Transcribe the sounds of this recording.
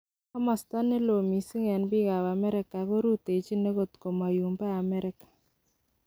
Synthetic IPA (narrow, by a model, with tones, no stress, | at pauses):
a˦ma˨st̪a˦ne˦lo˨mi˨si˦ŋɛ˨nbɪ˦ɣa˨wa˨mɛ˦ɾɪ˦ka˨ko˦ɾu˦t̪e˨t͡ʃi˦ne˦ɣo˨t̪ko˨ma˨ju˨mbɛ˦a˨mɛ˦ɾɪ˦kḁ˨